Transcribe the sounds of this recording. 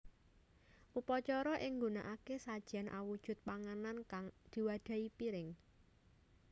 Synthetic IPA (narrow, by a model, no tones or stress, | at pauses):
ʔupɔt͡ʃɔɾɔʔɪŋɡunaʔakesad̥ʒ̥a̤nʔa̰wud̥ʒ̥ʊ̤t̪̚paŋanankaŋd̪̥i̤wad̪̥ä̤ipiɾɪŋ